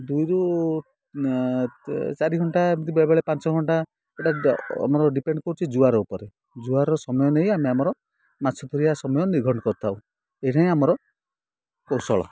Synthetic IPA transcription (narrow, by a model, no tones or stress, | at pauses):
d̪ujɾu | t͡ʃaɾiɡʱɔɳʈamit̪ibabɔɭepant͡ʃɔɡʱɔɳʈa | eʈaa̰mɔɾɔɖipeɳɖkɔɾut͡ʃʰid͡ʒuaɾɔupɔɾe | d͡ʒuaɾɔsɔmɔjɔnejameamɔɾɔ | mat͡ʃʰɔt̪ʰɔɾijasɔmɔjɔniɡʱɔɳɔkɔɾt̪ʰauw̃ | ejʈʰaĩamɔɾɔ | kɔwsɔɭɔ̰